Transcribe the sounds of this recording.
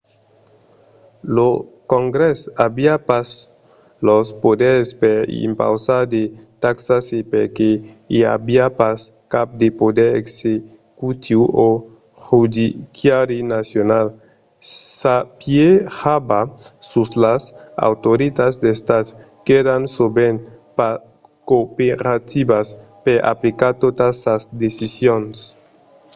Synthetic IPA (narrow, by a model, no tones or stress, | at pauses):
lokoŋɡɾesabiapas | lospod̪eɾespeɾḭmpa̰wsaɾd̪et̪aksasepeɾke | ia̰biapaskap̚d̪epod̪eɾḛkse | kut̪ʰiuo | hud̪ikjaɾinasjonal | sapjeabasuslasa̰wt̪oɾit̪azd̪est̪ad̪ | keɾansoben | pa | kopeɾat̪ibaspeʔa̰plikaɾt̪ot̪asazd̪esisjons